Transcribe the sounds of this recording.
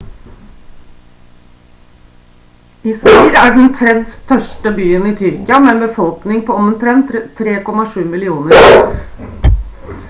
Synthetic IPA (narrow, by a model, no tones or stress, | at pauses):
ɪsæːɾæːɖn̩t̪ʰɾɛnt̪t̪ʰœʂʈəbyːəniːt̪ʰʏɾkɪɑmɛnbəfɔlknɪŋpʰoːɔmənt̪ʰɾɛnt̪t̪ʰːɾeːkɔmɑʂʉːmɪlɪuːnəɾ